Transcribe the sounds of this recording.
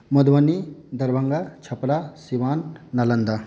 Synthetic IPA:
mɐd̪ʋɐnid̪ɐɾbɐŋɡat͡ʃʰɐpɾasiʋaːnːɐlɐnd̪a

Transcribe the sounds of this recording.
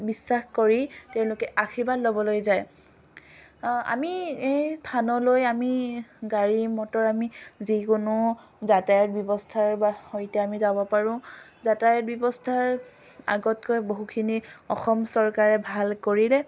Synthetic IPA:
bisːaxkoɹiteʊ̃lʊkɛʔakʰibadlobɔlojzaj | a̰miejstʰanɔlojamiɡaɹimɔtɔɹamizikʊnʊ | zatajɔt̚bɔbɔstʰaɹbahojtɛamizabɔpaɹʊ̃zatajɔt̚bɔbɔstʰaɹ | a̰ɡɔtkojboɦukʰiniɔxɔmsɔɹkaɹɛbʱalkoɹilɛ

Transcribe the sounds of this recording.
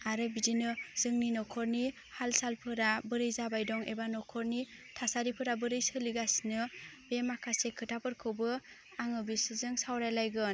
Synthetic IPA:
aɾɯbidinɯz̥ɯŋninɔkʰɔɾni | halsalpʰɯɾabɯɾɯjzabajdɔŋebanɔkʰɔɾni | tʰasaɾipʰɯɾabɯɾɯjsɯliɡasnɯb̥emakʰasekʰɯtʰapɯɾkʰɯwbɯ | aŋɯbisɯzɯŋsawɾajlajɡɯn

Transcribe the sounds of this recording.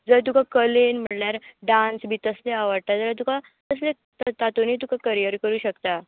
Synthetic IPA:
d͡zəɭt̪̬ukakəlenm̤əɽljaɾɖãnsbʱiːt̪əsleaʋəɽt̪ad͡zəɾat̪̬uka | t̪əsle | t̪t̪at̪onit̪ukakəɾijəɾkəɾuːɕəkt̪a

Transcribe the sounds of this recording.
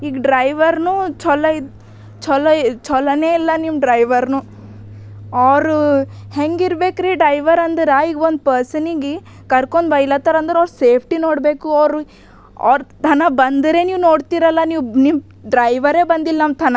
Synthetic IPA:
iːɡɖɾɐjʋɐɾnuːt͡ʃɔlɐ | t͡ʃɔlɐt͡ʃɔlɐneːilːɐnimɖɾɐjʋɐɾnu | ɐʋɾuheŋɡiɾbe̞ːkɾiːɖɾɐjʋɐɾɐnd̪ɐɾɐiːɡond̪pɐɾsɐniɡi | kɐɾkoɳd̪ʋɐjlɐt̪ɐɾɐnd̪ɐɾɐʋɾseːpʰʈinoːɽbe̞ːkuɐʋɾu | ɐ̰ɾt̪ʰɐnɐbɐnd̪ɐɾe̞ːniːʋnoːɖt̪iːɾɐlːɐniːʋnim | ɖɾɐjʋɐɾe̞ːbɐnd̪ilɐnɐmt̪ʰɐnɐ

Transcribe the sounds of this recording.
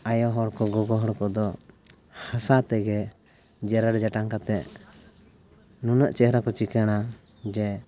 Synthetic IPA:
ajɔɦɔɽkɔɡɔɡɔɦɔɽkɔd̪ɔ | hasat̪ɛɡɛ | d͡ʒɛɾaɽd͡ʒaʈaŋkat̪ɛʔ | nunəʔt͡ʃɛhɾakɔt͡ʃikəɽ̃a | d͡ʒɛ

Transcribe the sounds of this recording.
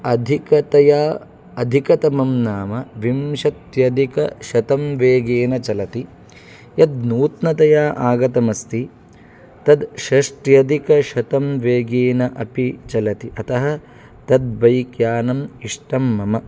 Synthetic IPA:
ɐd̪ʱikɐt̪ɐjaː | ɐd̪ʱikɐt̪ɐmɐmnaːmɐʋimʃɐt̪jɐd̪ikɐʃɐt̪ɐmʋeːɡeːnɐt͡ʃɐlɐt̪i | jɐd̪nuːt̪nɐt̪ɐjaːʔaːɡɐt̪ɐmɐst̪i | t̪ɐd̪ʃɐʂʈjɐd̪ikɐʃɐt̪ɐmʋeːɡeːnɐʔɐpit͡ʃɐlɐt̪iʔɐt̪ɐɦɐ̆ | t̪ɐd̪̚bɐjkjaːnɐmiʂʈɐmːɐmɐ

